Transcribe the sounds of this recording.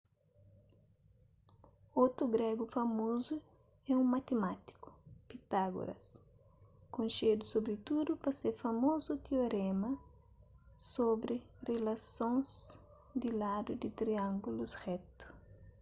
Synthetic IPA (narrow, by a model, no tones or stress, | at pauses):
ot̪ɾuɡɾɛɡufɐmozu | ɛũmat̪emat̪i̥kʊ̥pit̪aɡṵɾɐ̰s | kõʃed̪ʊsobɾit̪ud̪upɐseɾfɐmozut̪eoɾɛmɐ | sobɾɪ | relasõz | d̪ilad̪ud̪it̪ɾiãŋɡulusrɛt̪u̥